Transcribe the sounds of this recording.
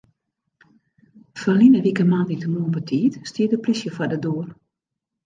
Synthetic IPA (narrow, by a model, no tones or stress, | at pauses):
fərlinəʋikəmanditəmuəbətʰiːtstiədəplisjəfadəduər